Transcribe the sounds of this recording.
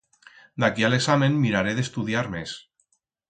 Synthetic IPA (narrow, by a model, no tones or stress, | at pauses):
d̪akialeksamẽnːiɾaɾeðest̪uðiaɾmes